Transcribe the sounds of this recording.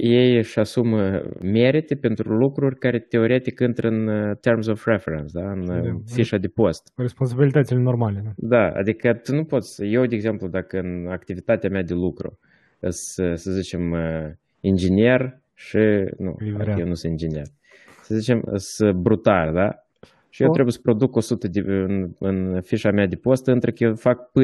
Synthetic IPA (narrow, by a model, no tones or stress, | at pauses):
je̞jɨʃasumme̞ɾit̪epe̞nt̪ɾulukɾurʲkaɾe̞t̪e̞o̞ɾe̞t̪ikɨnt̪ɾəɨnt̪e̞rmsofrefeɾensd̪aɨnfiʃad̪epo̞st̪ɾespons̬abilit̪ət̪silenormaleud̪aa̰d̪ikət̪unupo̞t̪sʲje̞wd̪eeɡze̞mplud̪akəɨnakt̪ivit̪at̪eamʲead̪elukɾṵ | ɨsəsəzit͡ʃe̞mə | ind͡ʒenie̞r | ʃinṵadkjewnusɨind͡ʒeniḛr | səzit͡ʃe̞mə̰səbɾut̪ald̪a | ʃijewt̪ɾebujesə̥pɾo̞d̪uko̞sut̪əd̪eɨnɨnfiʃamead̪epo̞st̪ɨnt̪ɾəkəjefak̚pɨ